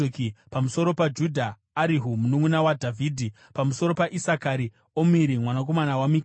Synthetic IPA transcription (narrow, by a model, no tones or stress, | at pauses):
kipamuso̞ɾo̞pad͡ʒudʱaː | ɾiɦumunuŋunawadʱavʱiːdʱi | pamuso̞ɾo̞paʔisakaɾi | omiɾimwanak̬o̞manawamik